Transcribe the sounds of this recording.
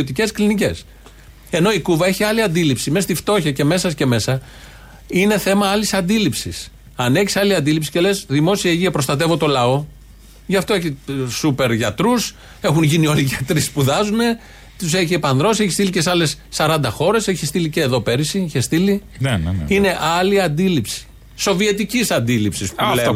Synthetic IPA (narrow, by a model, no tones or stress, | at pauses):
ot̪ice̞sklinice̞s | e̞no̞ikuvɐeçiɐliɐnd̪ilipsime̞st̪ift̪o̞çɐce̞me̞sɐsce̞me̞sɐ | ine̞θe̞mɐɐlisɐnd̪ilipsḭs | ɐneçisɐliɐnd̪ilipsi̥ce̞le̞zðimo̞siɐʝiɐpɾost̪ɐt̪̬e̞vo̞t̪o̞lɐo̞ | ʝɐft̪o̞eçisupe̞ɾʝɐt̪ɾus | e̞xunʝinio̞liʝɐt̪ɾispuðɐzune̞ | t̪useçiepɐnðɾo̞sieçist̪ilicesɐle̞sːɐɾɐnd̪ɐxo̞ɾe̞se̞çist̪iliceːðo̞pe̞ɾisiiçest̪ilinnine̞ʔɐliɐnd̪ilipsi̥ | so̞viet̪icisɐnd̪ilipsispule